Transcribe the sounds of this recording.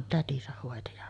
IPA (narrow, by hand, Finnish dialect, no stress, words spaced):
tætisæh hoˑeti jɑ